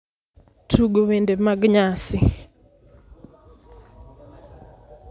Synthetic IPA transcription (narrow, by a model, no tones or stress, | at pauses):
tʰuɡowendemaɡɲasɪ